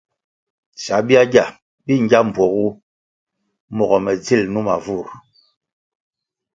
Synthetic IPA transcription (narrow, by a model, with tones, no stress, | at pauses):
sa˨˦bi˦a˦ɟa˦˨ | bi˦ŋ˦ɡa˦m̩˨bwɔ˨ɣu˦ | mɔ˨ɣɔ˨mɛ˨d͡zi˦˨lnu˦ma̰˨vu˦˨ɾ